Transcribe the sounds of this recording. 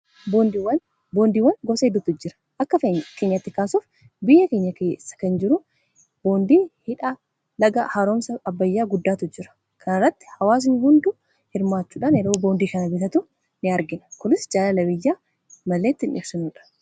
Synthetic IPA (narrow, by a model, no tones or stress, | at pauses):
bond̪wɐn | bo̞ːnd̪iːwːɐnɡɔfsɐhɪd̪ːut̪ːʊd͡ʒɪɾɐ̥ʔɐkːɐkeːɲːɐt̪ːɪkaːsuːf | bɪjːɐke̞ːɲːɐkeːsːɐ̥kɐnd͡ʒɪɾʊ | b̥o̞ːnd̪iːhɪᶑa | lɐɡɐhaːɾo̞ːmsɐɐbːɐjːaːɡʊd̪ːaːt̪ʊd͡ʒɪɾɐ̥ | kʰɐnɐrːɐt̪ːɪ̥hɐwaːs̬ɪnhʊnd̪ʊ | hɪɾmaːt͡ʃːuːᶑaːnɛɾo̞ːbo̞ːnd̪iːkɐnɐbɪt̪ɐt̪ʊ | nɪɐɾɡɪnɐ̥kʊnɪsd͡ʒaːlɐlɐbɪjːaː | mɐlːeːt̪ːɪnʔɪ̰fsɪnuːᶑɐ̥